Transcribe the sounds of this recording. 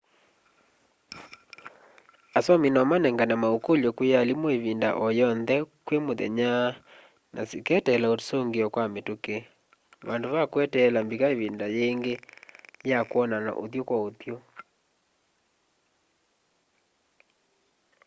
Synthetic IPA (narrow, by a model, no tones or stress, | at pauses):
asɔminɔmanɛŋɡanamaokolokwejalimoeβinda̰ʔɔjɔnðɛkwemoðɛ̰ɲa | nʔasekɛtɛlaotsoŋɡeɔkwametoke | βandoβakwɛtɛlambikaeβindajeŋɡejakwɔnana̰ʔo̰ðjokwaoðjo